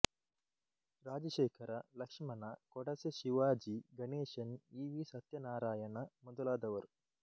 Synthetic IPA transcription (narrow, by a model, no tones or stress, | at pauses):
ɾaːd͡ʒɐʃeːkʰɐɾɐlɐkʂmɐnɐkɔɽɐsɐʃiʋaːd͡ʒiɡɐneːʃɐniːʋisɐt̪jɐnaːɾaːjɐnɐmud̪ɐlaːd̪ɐʋɐɾ